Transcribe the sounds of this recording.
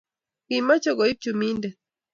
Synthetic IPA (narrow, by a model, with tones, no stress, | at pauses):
ki˨ma˦t͡ʃɔ˦ɡɔ˨i˦p̚t͡ʃu˨mi˦ndɛ˨